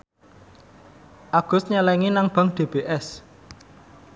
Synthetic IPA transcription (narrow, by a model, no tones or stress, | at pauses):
ʔaɡ̥ʊ̤s̚ɲɛlɛŋinaŋb̥ä̤ŋɖ̪̥e̤b̥eʔɛs